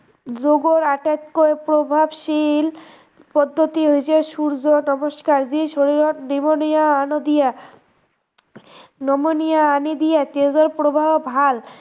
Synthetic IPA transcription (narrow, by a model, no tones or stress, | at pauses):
d͡ʑoɡoɾaʈat̪koepɾobʱabʃil | pɔd̪ʱːot̪iɦojet͡ɕʰeʃuɾd͡ʑonɔmoʃkaɾd͡ʑiʃoɾiɾonimonijaanod̪ija | nɔmonijaanid̪ijat̪ezoɾpɾobʱabbʱal